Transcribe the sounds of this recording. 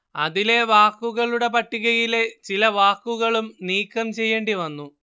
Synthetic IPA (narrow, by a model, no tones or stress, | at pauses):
ɐðile̞ʋaːkːuɣɐɭuɽe̞pɐʈːiɣɐɣile̞t͡ɕilɐʋaːkːuɣɐɭumniːkːɐmt͡ɕe̞jːeːɳɖiʋɐnːu